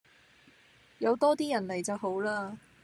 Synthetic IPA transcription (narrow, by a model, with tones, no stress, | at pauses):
jɐ˨˧wt̪ɔː˥t̪iː˥jɐ˨˩nle˨˩jt͡sɐ˨wɦo˨˥wlaː˥